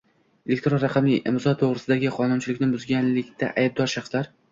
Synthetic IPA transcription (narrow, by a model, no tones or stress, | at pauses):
elʲek̚ʲt̪ɾonɾaqʰɑmɪʔḛmzɒt̪ʰoʁɾɪsɪd̪aɡʲɪqʰɒnʊnt͡ʃʰɪlɪkʲnɪbʊzɡʲanlɪkʲt̪ʰa̰ʔajb̚d̪ɒɾʃaχslaɾ